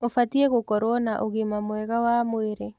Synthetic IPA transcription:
ofatiɛɣokɔɾoɔnaʔoɣimamwɛɣawamoeɾe

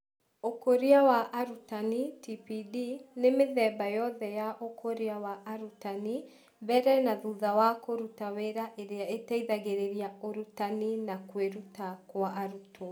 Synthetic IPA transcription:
okoɾiawaʔaɾutanitipidinemeðɛbajɔðɛjaʔokʰoɾiawaʔaɾutani | bɛɾɛnaðuðawakoɾutaweɾaʔeɾeaetaiðaɣeɾeɾiaoɾutaninakweɾutakwaʔaɾutʰo

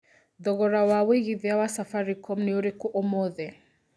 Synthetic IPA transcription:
ðɔɣɔɾawaweɣiðiawasafaɾikɔmnioɾekɔʔɔmɔðɛ

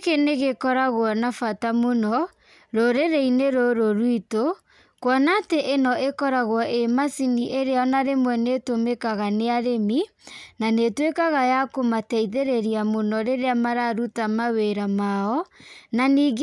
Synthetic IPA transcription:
keneɣekɔɾaɣɔnafatamonɔ | ɾoɾeɾeineɾoɾoɾwito | kwɔnateʔenɔʔekɔɾaɣwɔʔemasiniʔeɾeɔnaɾemwɛnetomekaɣaneaɾemi | nanetwekaɣajakomatɛiðeɾeɾiamonɔɾeɾeamaɾaɾutamaweɾamaɔnaniːɡ

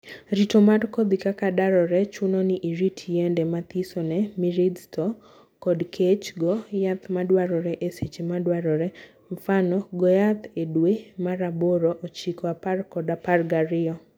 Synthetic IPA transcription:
ɾitomarkod̪ikakadaɾɔɾɛt͡ʃunɔniʔiɾitʰjendɛmat̪isɔnɛmiɾid̪tɔ | kɔdkʰet͡ʃɡɔjat̪madwaɾɔɾɛʔeset͡ʃemadwaɾɔɾɛ | ɱfanɔɡɔjat̪edwemaɾaboɾoʔot͡ʃikɔaparkɔdaparɡaɾɪɔ

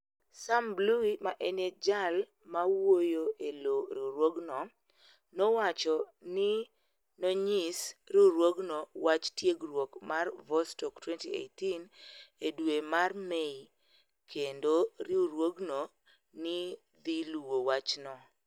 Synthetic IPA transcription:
sambluimaʔened͡ʒal | mawojoeloɾiuɾwoɡnɔ | nowat͡ʃɔnɪ | noɲisɾiuɾwoɡnowat͡ʃtjeɡɾwokmarvɔstɔktwɛntiḛjtinedwemarmei | kʰendoɾiuɾwoɡno | nɪ | d̪iluwowat͡ʃnɔ

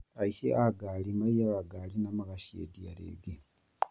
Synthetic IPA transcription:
aisḛʔaɡalimaijaβaɡalinamaɣaʃiḛdija̰ɾḛːɡe

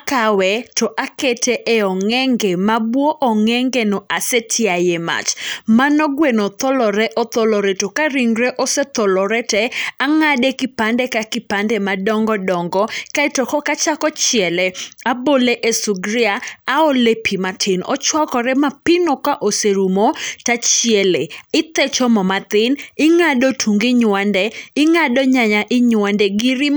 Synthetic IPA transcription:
kawɛtɔʔaketʰeʔeɔŋɛŋɡemabwoʔɔŋɛŋɡenɔʔasetʰɪajema̰t͡ʃmanɔɡwenot̪ɔlɔɾɛʔɔt̪ɔlɔɾetokaɾiŋɾeʔɔset̪ɔlɔɾɛtɛaŋadekɪpandɛkakɪpandɛmadɔŋɡɔdɔŋɡɔkaɛtɔkɔkat͡ʃakɔt͡ʃjɛlɛaboleʔesuɡɾɪaːolepʰimatʰɪnɔ̰t͡ʃwakɔɾɛmapɪnokaʔoseɾumotat͡ʃjɛleɪt̪ɛt͡ʃɔmɔmat̪ɪnɪŋadotʰuŋɡɪɲwandɛɪŋadɔɲaɲaʔɪɲwandɛɡɪɾɪ

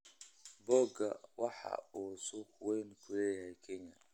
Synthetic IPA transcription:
bɔːɡɐwɑħɑ̰uːsɔkʰʊwɛjnkʰʊlɛːjɐhɛjkʰɛɲɐ

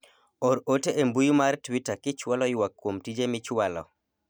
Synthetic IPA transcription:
ɔɾoteʔembujumartwitakɪt͡ʃwalɔjwakːwomtid͡ʒemɪt͡ʃwalɔ̰

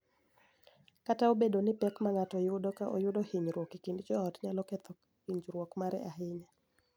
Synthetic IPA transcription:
kataobedonɪpɛkmaŋatɔjʊdɔkaʔo̰jʊdohiɲɾwɔkikindd͡ʒɔɔtɲalɔkɛt̪ɔ | hiɲd͡ʒɾwɔkmaɾɛ̰ʔaɦɪɲa

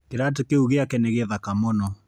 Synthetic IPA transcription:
keɾat̬ekeuɣeakɛnɛɣeðakamonɔ

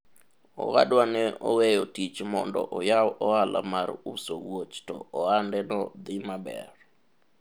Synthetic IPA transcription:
ɔ̰wa̰dwanɛʔɔwejɔtit͡ʃmɔndɔ̰ʔɔjawɔalʔa̰marusowot͡ʃtɔ̰ɔandɛnɔd̪ɪmabɛ̰r

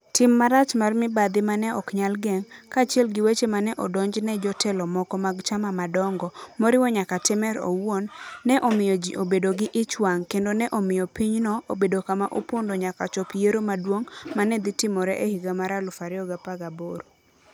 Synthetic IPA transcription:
tɪmːaɾat͡ʃmarmɪbad̪ɪmanɛɔkɲalɡɛŋkaːt͡ʃiɛlɡɪwet͡ʃemanɛʔɔdɔɲd͡ʒnɛd͡ʒɔtɛlɔmɔkɔmaɡt͡ʃamamadɔŋɡɔmoɾɪwɔɲakatɪmɛɾo̰wonːɛʔomɪjɔd͡ʒʔobedoɡɪʔɪt͡ʃwaŋkendonɛʔomɪjɔpiɲnɔobedokamaʔopondoɲakat͡ʃɔpijeɾomadwoŋmanɛd̪ɪtɪmɔɾɛʔehiɡamaɾalʊfaɾɪɔɡapaɡaboɾo

